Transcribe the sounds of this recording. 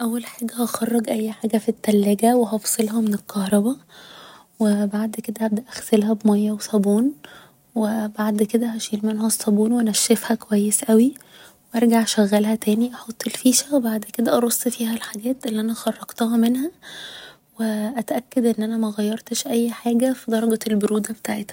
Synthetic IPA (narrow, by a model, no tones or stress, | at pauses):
ʔæwːælħaːɡæhɑxɑrˤːɑɡʔæjːħaːɡæfit̪ːælːæɡæweɦɑfsˤelhɑmenelkɑhɾˤɑbæ | webaʕd̪ked̪æʔæbd̪æʔæxselɦæbmɑjːæwesˤɑbuːn | webaʕd̪ked̪æhæʃiːlmenhæsˤːɑbuːnwnæʃːefhækowæjːesʔæwi | weʔɑɾˤɡaʕʃæɣːælhæt̪æːniʔɑħot̪ˤːelfiːʃæwebaʕd̪ked̪æʔɑɾˤosˤːfiːhælħaɡæːt̪ʔelːiʔænæxɑrˤːɑɡ̥t̪ɑhɑmenhæ | weʔæt̪ʔækːæd̪ʔenːʔænæmæɣæjːɑɾˤt̪eʃʔæjːħaːɡæfid̪ˤɑɾˤɑɡælboɾuːd̪æbet̪aːʕet̪hæ